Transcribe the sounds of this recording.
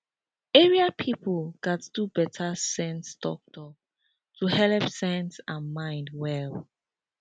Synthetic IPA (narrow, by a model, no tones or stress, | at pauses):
ɛɹiapʰipʰəlɡatdubɛtʰasɛ̃nstɔk̚tʰɔ | tʰuhɛlpsɛ̃nsãnmãɪ̃ndwɛl